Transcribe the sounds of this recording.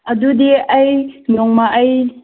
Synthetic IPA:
ɐdudiɐjnɔŋmaʔɐj

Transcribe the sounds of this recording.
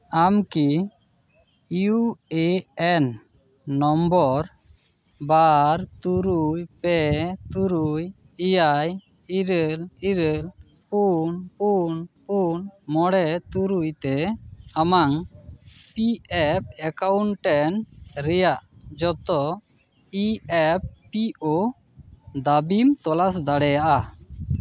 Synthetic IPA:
amki | jueɛnː | ɔmbɔɾ | baɾt̪uɾujpɛt̪uɾuj | ijaj | iɾɛliɾɛl | punpunpunmɔɽɛt̪uɾujt̪ɛamaŋ | piɛp̚ɛkawɳʈɛnɾɛjaʔd͡ʒɔt̪ɔ | iɛp̚ːio | d̪abimt̪ɔlasd̪aɽɛjaʔa

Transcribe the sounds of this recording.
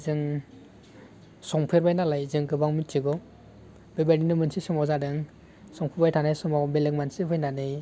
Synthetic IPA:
zɯŋ | sɔŋpʰeɾbajnalajzɯŋkɯbaŋmitiɡɔ | bebadinɯmɯnsisɯmawzadɯŋ | sɔŋpʰeɾbajtʰanajsɯmawbelɯŋmansipʰɯjnanɯj

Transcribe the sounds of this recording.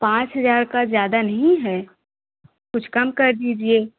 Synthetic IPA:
pãːt͡ʃɦɐzaːɾkazjaːd̪anɐɦĩɦɛː | kʊt͡ʃʰkɐmkɐɾd̪iːd͡ʒieː

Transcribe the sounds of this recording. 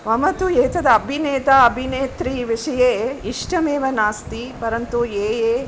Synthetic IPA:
ʋɐmɐt̪ujeːt̪ɐd̪ɐɐbʱineːt̪aɐbʱineːt̪ɾiːʋiʂɐjeːiʂʈɐmeːʋɐnaːst̪ipɐɾɐnt̪ueːjeː

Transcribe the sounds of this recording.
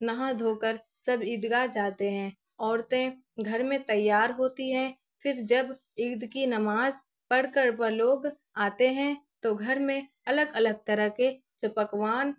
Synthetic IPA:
nɐɦãd̪ʱoːkəɾ | sɐbɪd̪ɡad͡ʒaːt̪eɦɛ̃ː | ɔːɾt̪ẽ | ɡʱɐɾmẽt̪ɐjːaːɾɦoːt̪iɦɛ̃ | fʰɪɾd͡ʒəb | ɪɡd̪kinɐmaːz | pəɽkəɾʋəloːɡ | aːt̪eɦɛ̃t̪oɡʱɐɾmẽ | ɐləɡələɡ̚t̪əɾəɦke | d͡ʒɐpəkʋaːn

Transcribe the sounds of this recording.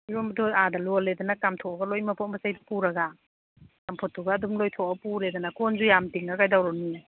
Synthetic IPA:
iɾombɐdʰojadɐloledɐnɐkamtʰoʔɐɡɐlojmɐpʰɔt̚mbɐsajdpuɾɐɡa | kampʰotʰːuɡɐːdumlojtʰɔɐpuɾedɐnɐkonzujamtiŋɐkajdawɾɔnia

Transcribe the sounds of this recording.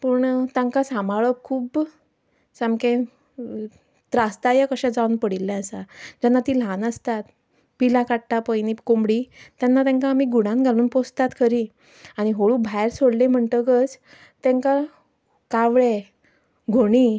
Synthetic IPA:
pəːɳt̪ãŋkasamaɭəkʰuːb | samkẽ | t̪ɾast̪ajakəɕɛ̃d͡zaunpəɽilːɛ̃əsad͡ʑanːat̪iːlanəst̪at̪ | pilakaʈʈapəjnikombɽit̪janːat̪ãŋkaːmiːɡuɽ̃ãnɡʱaluːnpost̪at̪kʰəɾi | aɽ̃iɦoɭuːbʱajɾsoɽlẽm̤əɳʈ̪əkət͡s | t̪ɛ̃ŋka | kaʋɭe | ɡʱoɽ̃iː

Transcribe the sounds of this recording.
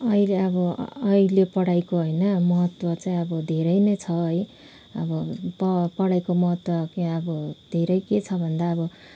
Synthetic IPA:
ʌileʌbʌ̰ːilepʌɽajkoɦʌjnʌmʌɦʌt̪wʌt͡saĩʌbʌd̪ʱeɾʌjnʌjt͡sʰʌɦʌj | ʌbʌpʌpʌɽajkomʌɦʌt̪wʌkiʌbʌd̪ʱeɾʌjket͡sʰʌbʱʌnd̪aʌbʌ

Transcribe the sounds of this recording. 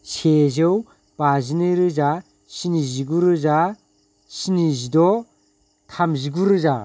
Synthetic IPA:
sezɯw | b̥azinɯɾɯza | siniziɡuɾɯza | sinizidɔ | tʰamziɡuɾɯza

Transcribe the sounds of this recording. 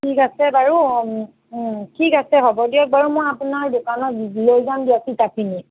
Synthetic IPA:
tʰikasɛbaɹu | tʰikasɛɦɔbɔdijɔk̚baɹumɔjapunaɹdokanɔtzilojzamdiatitapʰini

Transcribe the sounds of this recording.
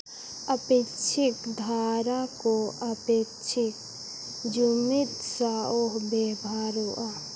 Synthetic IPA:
əpekt͡ʃʰɪkd̪ʱaːɾakoɐpeːkt͡ʃʰɪk | d͡ʒumɪt̪saoɦbeːbʱaːɾoʔa

